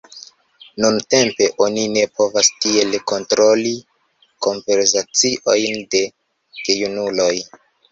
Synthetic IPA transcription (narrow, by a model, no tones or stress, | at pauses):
nunte̞mpe̞ʔo̞nine̞po̞vastie̞lko̞ntɾo̞li | ko̞mpe̞ɾs̬at͡siʔo̞jnde̞ | ɡejunulo̞j